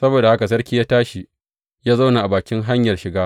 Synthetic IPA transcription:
sɐ˦boː˨da˨ha˦ka˨s̬ɐ˦rkʲiː˦jaː˦taː˦ʃi˨ | jaː˦za˦wna˨ʔa˨baː˨kʲɪ˦ŋɦa˦ɲjɐ˨rʃɪ˨ɡaː˦

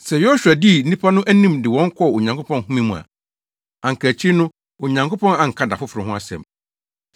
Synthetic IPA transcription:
sɛ˨jo˦ɕᶣu˨a˨di˦˨n̩˦nĩ˦pʰa˦nʊ̃˦ʔæ˦nĩ˦˨mdɪ˨wɔ̃˦ŋ̩˦kʰɔ˦˨o˨ɲã˨ŋkʰo˦pʰɔ̃˦nhũ˦mĩ˦mũ˨a̰˨ | ã˨ŋ̩˨kʰæ˨t͡ɕʰi˦nʊ̃˦ | o˨ɲã˨ŋko˦pɔ̃˦nã˨ŋ̩˨kʰa˦da̰˨fʊ˦fɾɪ̃˨ɦʊ̃˦a˦sɛ̰̃˨m

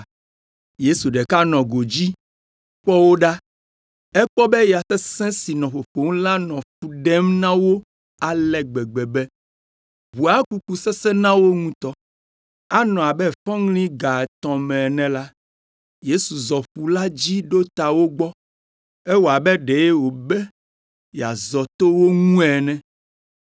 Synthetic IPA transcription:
je˦su˨ɖɛ˨ka˦nɔ̃˨ɡo˨d͡ʑi˦ | ɸɔ˦wo˦ɖa˦ | ɛ˦k͡pɔ˦bɛ˦ja˨sɛ˦sɛ̃˦si˨nɔ̃˨ɸo˨ɸo˨ŋ̃˦la˦nɔ̃˨ɸu˨ɖɛ˦mnã˦wo˦ | a˨lɛ˨ɡ͡bɛ˨ɡ͡bɛ˨bɛ˦ | βu˨a˦ku˦ku˨sɛ˦sɛ˦nã˦wo˦ŋũ˦t̪ɔ˦ | a˦nɔ̃˨a˨bɛ˦fɔ̃˦ŋlĩ˦ɡa˨t̪ɔ̃˨mɛ̃˨nɛ̃˨la˦ | je˦su˨zɔ˨ɸu˨la˦d͡ʑi˦ɖo˦t̪a˨wo˦ɡ͡bɔ˦ | ɛ˦wo˨a˨bɛ˦ɖe˨je˦wo˨bɛ˦ | ja̰˨zɔ˨t̪o˦wo˦ŋũ˦ɛ˨nɛ̃˨

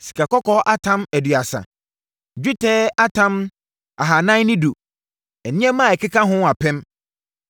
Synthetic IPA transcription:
si̥˨kʰa˨kɔ˦kɔ˦ʔa˦tʰã˦mæ˨dɥa˨sa̰˨ | d͡ʑᶣu˦tʰɛː˦ʔa˦tʰã˦m | a˨ɦa˨nã˦nɪ̃˦du˨ | ɛ˨nɪ̃˦ɛ˦mã˦˨ɛ˨kʰɪ˦kʰã˦ɦʊ̃˦a˨pʰɛ̃˦m

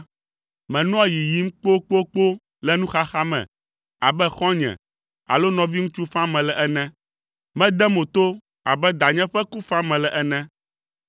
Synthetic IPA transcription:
mɛ̃˨nɔ̃˦a˦ji˨ji˨˦m̩˦k͡po˦k͡po˦k͡po˦ | lɛ˦nũ˦xa˦xa˦mɛ̰̃˨ | a̰˨bɛ˦xɔ̃˦ɲɛ̰̃˨ | a̰˨lo˦nɔ̃˨vi˦ŋũ˦t͡ʃu˦fã˦mɛ̃˨lɛ˨ʔɛ˦nɛ̃˦ | mɛ̃˦d̪ɛ˦mõ˨t̪o˦ | a̰˨bɛ˦d̪a˨ɲɛ̃˦ɸɛ˦ku˦fã˦mɛ̃˨lɛ˨ʔɛ˦nɛ̃˦

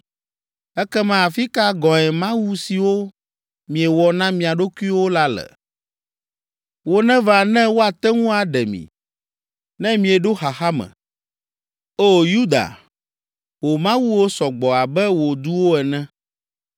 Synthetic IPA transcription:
ɛ˦kɛ˦mã˦a˨fi˦ka˦ɡɔ̃˨ɛ˨mã˦wu˦si˨wo˦ | mĩ˨ɛ˨wɔ˨nã˦mĩ˨a˨ɖo˦ki˦wo˦la˦lɛ̰˨ | wo˦nɛ̃˦va˨nɛ̃˦wo˦a˨t̪ɛ˦ŋũ˦a˨ɖɛ˨mḭ̃˨ | nɛ̃˦mĩ˨ɛ˨ɖo˦xa˨xa˦mɛ̰̃˨ | o˦ju˦d̪a̰˨ | wo˨mã˦wu˦wo˦sɔ˨ɡ͡bɔ˨a˨bɛ˦wo˨d̪u˦wo˦ɛ˨nɛ̃˦

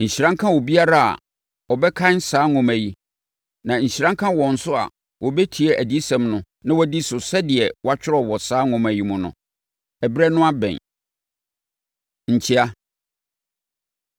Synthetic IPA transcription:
ɲ̩˨ɕi˨ɾã˦ŋkʰã˦wɔ˨bi˦a˦ɾa˦a̰˨ | wɔ˨bɛ˦kʰã˦n̩˦saː˦ŋʊ̃˨mæ˨ji˨ | nã˨ɲ̩˨ɕi˨ɾã˦ŋkʰã˦wɔ̃˨n̩˨sʊ˦a̰˨ | wʔɔ˨bɛ˦tʰi˨ɛ˦ʔæ˨di˦sɛ̃˨mnʊ̃˨ | nã˦wɔ˦di˦sʊ˨sɛ˦dɪ˨ɛ˨wa˦t͡ɕᶣɪ˦ɾɔ˦wɔ˨saː˨˦ŋʊ̃˨mæ˨ji˦mʊ̃˨nʊ̰̃˨ | ɛ˨bɾɛ˦nʊ̃˦a˦bɛ̰̃˨n | ɲ̩˨t͡ɕʰi˦a˦

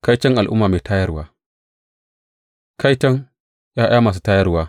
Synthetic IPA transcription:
ka˦jt͡ʃɐ˦ŋʔa˨lʔʊ̰˦mːaː˨meː˨taː˦jɐ˦rwaː˦ | ka˦jt͡ʃɐ˦ŋ | jaː˦ʔa˦maː˨s̬u˦taː˦jɐ˦rwaː˦

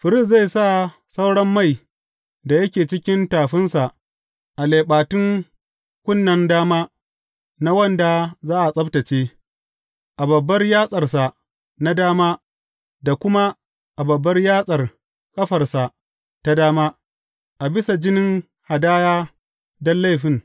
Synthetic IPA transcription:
ɸɪ˨ɾɪ˦sza˦˨jsa˦˨ | sa˦wɽɐ˦mːa˦˨j | da˨jɐ˦kʲeː˨t͡ʃɪ˦kʲɪ˦ntaː˨ɸɪ˦nsa˨ʔ | ʔa˨le˨ɓaː˨tʊ˦ŋ | kʷʊ˦nːɐ˨ndaː˦maː˦ | na˦wɐ˦nda˨zaː˦ʔa˨sʼɐ˦btɐ˨t͡ʃeː˦ | ʔa˨bɐ˨bːɐ˦rjaː˦sʼɐ˨rsa˨ʔ | na˦daː˦maː˦ | da˨kʷʊ˦ma˦ | ʔa˨bɐ˨bːɐ˦rjaː˦sʼɐ˨r | kʼɐ˦ɸɐ˨rsa˨ʔ | ta˦daː˦maː˦ | ʔa˨bɪ˦sa˨d͡ʒɪ˦nɪ˦ŋ | ha˨daː˦jaː˦ | dɔ˦nla˦jɸɪ˦˨ŋ

